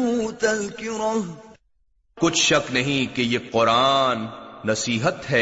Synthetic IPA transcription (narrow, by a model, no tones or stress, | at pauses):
ut̪ɐlkɪɾɐ | kʊt͡ʃʰʃɐknɐɦĩkejeːqʊɾaːnːɐsiːɦət̪ɦɛː